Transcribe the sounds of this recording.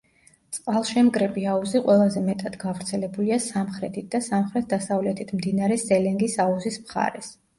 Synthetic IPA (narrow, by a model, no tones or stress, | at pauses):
t̪sʼqʼalˠʃɛmkʼɾɛpʼiauziqʼwɛlˠazɛmɛt̪ʼad̪̥ɡavɾt̪sʰɛlɛbuliasamχɾɛt̪ʰit̪̚d̪asamχɾɛt̪̚ʰd̪asavlɛt̪ʰit̪ʰmd̪inaɾɛzɛlɛŋɡisauzismχa̰ɾɛs